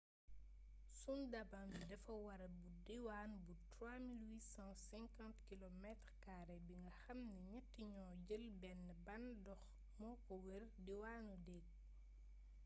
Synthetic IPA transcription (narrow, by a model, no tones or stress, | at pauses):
sundɐbandɛfɐwɐɾɐbudiwaːnbutɾwaːmilwiːsɑ̃sɛŋkãntkilɔmɛtɾkaːɾɛbiŋɡɐxɐmniɲɛtːiɲɔːɟəlbɛnːəbɐndɔx | mɔːkɔwərdiwaːnudɛɡ̚